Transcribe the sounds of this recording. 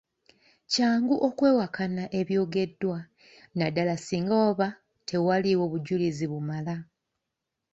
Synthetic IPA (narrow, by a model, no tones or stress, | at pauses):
caːŋɡuʔo̞kwe̞ːwakanaʔe̞βjo̞ːɡe̞dːwa | nadalasiːŋɡaoβa | tʰe̞waliwo̞βuɟuliziβumala